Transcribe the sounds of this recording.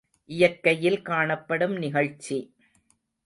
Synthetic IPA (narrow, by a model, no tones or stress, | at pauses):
ʔɪjɐkːɐjɪlkaːɳɐpːɐɽɯmnɪɣɐɻt͡ʃːi